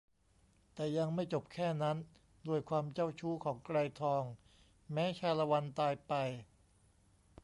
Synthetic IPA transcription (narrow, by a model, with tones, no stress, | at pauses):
t̪ɛː˨˩ja˧ŋma˥˩jt͡ɕo˨˩p̚kʰɛː˥˩na˦˥n | du˥˩əjkʰwaː˧mt͡ɕa˥˩wt͡ɕʰuː˦˥kʰɔː˩˦ŋkɾa˧jt̪ʰɔː˧ŋ | mɛː˦˥t͡ɕʰaː˧la˧wa˧nt̪aː˧jpa˧j